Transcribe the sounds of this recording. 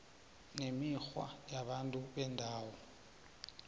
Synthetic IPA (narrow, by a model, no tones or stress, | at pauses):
nemixwa̰jaɓantʼuɓɛndʱaːwɔ